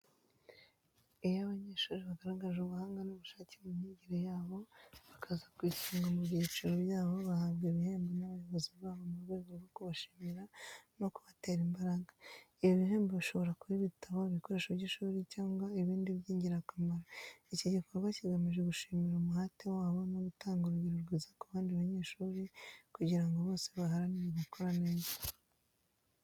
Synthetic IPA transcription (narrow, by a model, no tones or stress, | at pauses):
ejaβaɲeːʃuːɾeβaɡaɾaɡaʒuβuhaːŋɡanoβuʃaːcemumɲiɟiɾejaːβo̞βakʰazakwiciŋɡomuβjiːt͡ʃiɾoβjaːβo̞βahaβɡeβiheːmbenaβajo̞βoziβaːβamuɾɡe̞ːɡoβokuβaʃi̥miɾano̞kuβateːɾimbaɾaːŋɡaijoβiɦe̞ːmbeβiʃo̞βo̞ɾakuβiβitaβoβiko̞ɾe̞ʃaβɟiʃuːɾicaːŋɡwaiβiːndiβjiːɲɟiɾakamaɾaiciɟikʰo̞ɾɡwaciɡamiʒe̞ɡuʃimiɾumuhatewaːβo̞noɡutaːŋɡuɾuɡiɾuɾɡizakuβaːndiβaɲe̞ːʃuːɾikuɟiɾaŋɡo̞βo̞ːse̞βaɦaɾaniβiβako̞ɾaneːzḁ